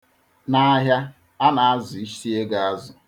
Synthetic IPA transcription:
na˦ɦja˦ | a˦na˨a˦zʊ˨i˦ʃi˦e˦ɡa˨a˦zʊ˨

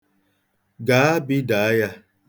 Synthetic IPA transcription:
ɡaː˨˦a˦bi˦da˨a˦ja˦

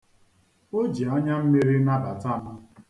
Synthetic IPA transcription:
o˦d͡ʒi˨ɔ˦ɲa˦m̩˦me˦ɾi˦na˦ba˨ta˦˨nʊ˦

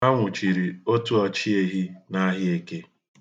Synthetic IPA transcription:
a˦ŋʷʊ˨t͡ʃi˨ɾi˨o˦tu˦ɔ˦t͡ʃi˦e˦ɦi˦na˦ɦɪ˦e˦ke˦

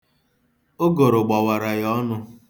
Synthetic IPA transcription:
o˦ɡo˨ɾʊ˨ɡ͡ba˨wa˨ɾa˨jɔ˦nʊ˦

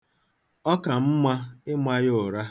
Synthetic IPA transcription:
ɔ˦ka˨m̩˦mʷa˦ɪ˦mʷa˦jʊ˦˨ɾa˦

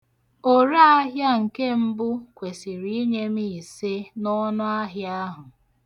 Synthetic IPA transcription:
o˨ɾa˦a˦ɦja˦ŋ̩˨ke˦m̩˦bʊ˦kʷe˨si˨ɾi˦ɲe˦mi˦˨i˨se˦nɔ˦nʊ˦a˦ɦja˦ɦʊ˨

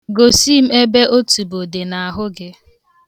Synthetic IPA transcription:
ɡo˨si˦m̩˦e˦be˦ʔo˦tu˨bo˨de˨na˨a˨ɦʊ˦ɡɪ˦

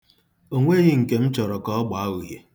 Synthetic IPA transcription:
o˦ŋʷe˦ɣɪ˦ŋ̩˨ke˨m̩˦t͡ʃɔ˨ɾɔ˨kɔ˦ɔ˦ɡ͡ba˨a˦ɣu˨ɦe˨

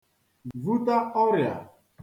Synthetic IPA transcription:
vu˦ta˦kɔ˦ɾja̰˨

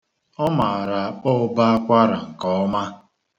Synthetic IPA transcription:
ɔ˦ma˨a˨ɾa˨k͡pɔ˦ʊ˦ba˦a˦kʷa˦ɾa̰˨ŋ̩˨kɔ˦ɔ˦ma˦

